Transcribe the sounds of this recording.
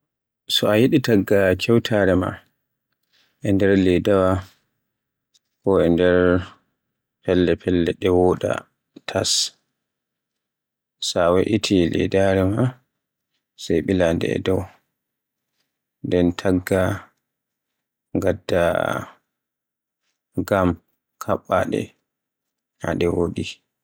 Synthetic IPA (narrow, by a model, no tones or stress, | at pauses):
sɔajiɗitaɡːakʰɛwtʰaɾɛma̰ | ʔɛndɛɾlɛdawa | kɔɛndɛɾ | pɛlːɛpʰɛlːɛɗɛwɔɗa̰ | tʰas | sawɛʔitʰilɛ̰daɾɛma | sɛjɓilandɛ̰ɛ̰dɔw | ndɛntʰaɡːa | ŋɡadːa | ɡam | kʰaɓːaɗɛ̰ | haɗɛwoɗi